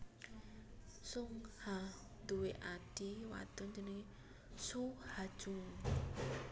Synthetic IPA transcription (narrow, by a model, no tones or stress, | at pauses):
suŋha | d̪uweʔad̥iwa̰t̪ʊnd͡ʒəniŋ | suhad̥ʒ̥uŋ